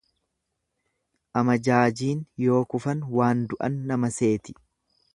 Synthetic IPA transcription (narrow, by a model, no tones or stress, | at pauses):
ʔɐmɐd͡ʒaːd͡ʒiːnjo̞ːkʊfɐnwaːnd̪ʊʔɐ̰nːɐmɐse̞ːt̪ɪ̥